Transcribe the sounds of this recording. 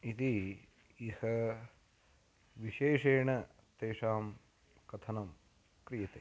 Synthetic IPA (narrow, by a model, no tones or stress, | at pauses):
it̪i | ihɐ | ʋiʃeːʃeːɳɐ | t̪eːʂaːm | kɐt̪ʰɐnɐm | kɾijɐt̪eː